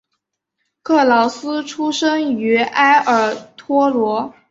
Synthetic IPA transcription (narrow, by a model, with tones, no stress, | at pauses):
kʰɤ˥˩lɑ˧˥ʊsɹ̩˥ʈ͡ʂʰu˥ʂə˥ŋy˧˥a˥ɪʔə˞˨˩t̪ʰwɔ˥lwɔ˧˥